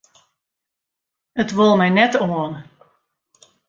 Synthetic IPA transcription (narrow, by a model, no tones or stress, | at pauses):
ətʋolˠmɛjnɛtoən